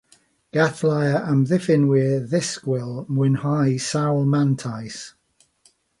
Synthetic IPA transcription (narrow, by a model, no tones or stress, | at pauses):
ɡ̥aθlajəʔəmðɪfɪnwɪəðɪskwɪlˠmwɪnhajsawlˠmantʰajs